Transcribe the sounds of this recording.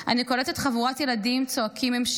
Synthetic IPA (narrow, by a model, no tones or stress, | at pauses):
a̰nikoletet̪χavuʁat̪je̞ladimt͡soakimemʃ